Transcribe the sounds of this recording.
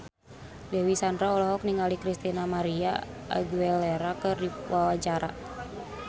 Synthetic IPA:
lɛwisandɾaɔlɔɦɔk̚niŋalikɾist̪inamaɾia̰ʔa̰ɡuɛlɛɾakɨrdiwawat͡ʃaɾa̰

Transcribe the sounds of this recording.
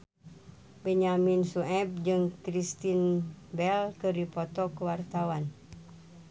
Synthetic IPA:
bɛɲaminsuɛb̚d͡ʒɨŋkɾist̪inbɛlkəɾipot̪ɔkəwart̪awan

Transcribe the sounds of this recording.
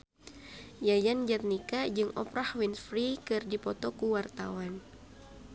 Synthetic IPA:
jajand͡ʒat̪̚nikad͡ʒɨŋɔ̰pɾahwinsfɾikɨrdipɔt̪ɔkuwart̪a̰wan

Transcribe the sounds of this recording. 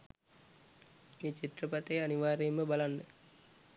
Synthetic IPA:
meːt͡ʃit̪rəpat̪əjaniʋaːɾeːmːəbalanːə

